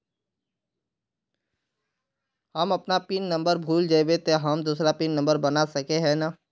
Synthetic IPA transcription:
hɐmɐpnapiːnːɐ̃mbəɾbʱuːld͡ʒaːibet̪eɦɐmd̪uːsɾapiːnːɐ̃mbəɾbɐnasɐkeɦɛnaː

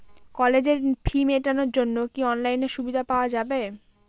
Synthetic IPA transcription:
kɔled͡ʑeɾpʰimeʈanoɾd͡ʑonːokiɔnlajneɾʃubid̪ʱapaoad͡ʑabe

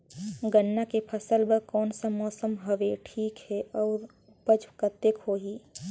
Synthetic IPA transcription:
ɡənːakepʰəsəlbəkɔːnsamɔːsəmɦəʋeʈʰiːkɦɛʔɔːɾ | bəd͡ʒkət̪ekʰoːɦiː

